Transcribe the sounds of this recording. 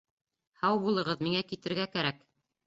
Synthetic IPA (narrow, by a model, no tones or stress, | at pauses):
hɑwbulˠɤ̆ʁɤðmiŋækit̪ɘ̆ɾɡækæɾæk